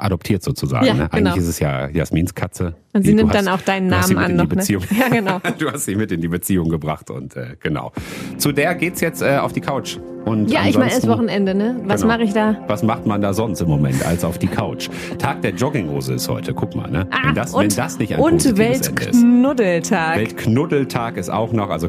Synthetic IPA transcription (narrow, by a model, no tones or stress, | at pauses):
ʔa̰ɾɔp̚tʰiːɐtz̥oːt͡suza̰ːɡaŋ̩ːnə̰ʔaɪɡəɡŋnalːʊçɪstɛsja̰ːja̰smiːnskʰat͡sə | ʊnzinɪmhd̥anaʊxd̥aɪnənːaːməina̰nnːɔibənəsiːʊŋjaːɡənaʊd̥uːhastz̥iːmɪtɪndiːbət͡siːʊŋɡəbʁa̰χtʊ̰ntʔɛ̰ːɡ̥əna̰ʊt͡sudeːɐɡeːtsjɛt͡stʔɛːa̰ʊfd̥iːkʰaʊt͡ʃ | ʔʊntjaːɪçmanɛɐsvɔχn̩ʔɛndənəvasmaχəɪçd̥aːvasmaχtmandaːzɔnstɪmːomɛnta̰lsa̰ʊfd̥iːkʰaʊt͡ʃ | tʰaːk̚d̥eːɐd͡ʒɔɡɪŋho̰ːzəɪ̰sthɔ̰ʏtʰəkʰʊkma̰ːlnəʔaːvɛndasʊɛnɛndasnɪçtaɪʊntvɛlɛ̰nkʰɪ̰nʊdl̩tʰaːvɛltkʰnʊdl̩tʰaːkɪsta̰ʊxnɔχʔa̰lzo